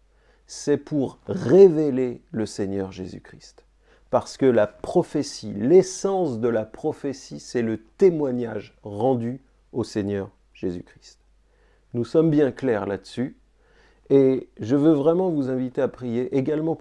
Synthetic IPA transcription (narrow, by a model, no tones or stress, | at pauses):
sɛpʰuʁːeveleləseɲœʁʒḛzy̰kχist̪ | paʁsə̥kəlapχɔfesilesɑ̃sd̪əlapχɔfesisɛlət̪emwaɲaʒʁɑ̃d̪y | oseɲœʁ | ʒ̥ezykχi̥st̪ | nusɔmbjɛ̃klɛʁla̰d̪əsy | eʒəvøvʁɛmɑ̃vuzɛ̃vit̪eapχijeʔeɡalmɑ̃